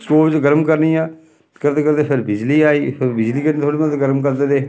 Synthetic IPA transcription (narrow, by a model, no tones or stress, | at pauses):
skoːʋɪt͡ʃɡəɾmkəɾniːãː | kəɾt̪eːkəɾd̪eːpʰɪɾbɪd͡ʒliːaːiːpʰɪɾbɪd͡ʒliːkəneːt̪ʰoːɽimə̃d̪ɡəɾmkəɾd̪eːd̪eː